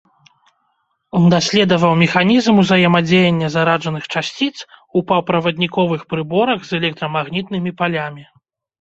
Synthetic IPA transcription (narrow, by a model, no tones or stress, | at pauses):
ɔnd̪asʲlʲɛd̪ɐvɐwmʲɛxanʲizmuzɐjɛmad͡zʲejenʲːɐzaɾaʐɐnɨxt͡ʂasʲt͡sʲit̪supɐwpɾɐvɐd̪ʲnʲikɔvɨxpɾɨbɔɾɐɣzɛlʲɛk̚t̪ɾɐmaɣnʲit̪nɨmʲipalʲamʲi